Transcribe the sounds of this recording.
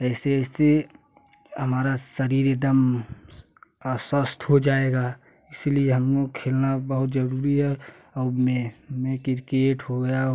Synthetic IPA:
ɛɪsese | ɦəmaːɾasəɾiːɾed̪əm | swəst̪ɦod͡ʒaːeɡa | ɪsilieɦəmnokʰeːlnabəɦʊt̪d͡ʒəɾuːɾiɦɛ | ɔmemẽkɪɾkeːʈɦoɡəja

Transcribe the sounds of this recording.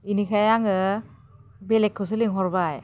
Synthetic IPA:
inikʰajaŋɯ | belekʰːɯs̬ɯliŋɦɔɾbaj

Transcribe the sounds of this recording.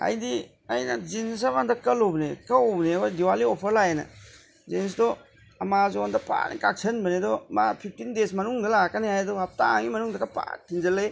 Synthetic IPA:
a̰jdi | ɐjnɐd͡ʒins̬abandɐkɐlobnekɐwobneɐbɐdiwaliɔpʰɐɾlajenɐ̰ | zens̬dɔ | ɐmazɔandɐpa̰nḭkak̚sʰɐnbɐnedɔmapʰip̚ʰtindesmɐnuŋdɐlakanehajdɔɦap̚taŋɡimɐnuŋdɐkapa̰tʰinzɐlej

